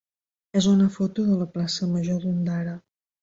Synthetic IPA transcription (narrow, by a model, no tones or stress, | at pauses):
ezunəfot̪uðələplasəməʒoðund̪aɾə